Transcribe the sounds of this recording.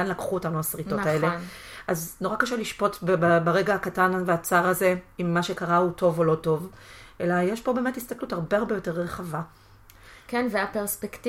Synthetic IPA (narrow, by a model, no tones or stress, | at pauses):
anlakχuotanuasʁito̞tae̞le | ʔazno̞ʁakaʃeliʃpo̞tbbabaʁe̞ɡaakatanveat͡saʁaze̞imːaʃe̞kaʁauto̞volo̞to̞vʔe̞lajeʃbo̞be̞ːme̞thist̪akluthaʁbe̞aʁbejo̞te̞ʁʁeχava | kenveapeʁspekt